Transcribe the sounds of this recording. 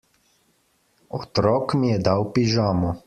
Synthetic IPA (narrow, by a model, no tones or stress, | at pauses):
ɔt̪ɾɔːkmijɛd̪awpiʒaːmɔ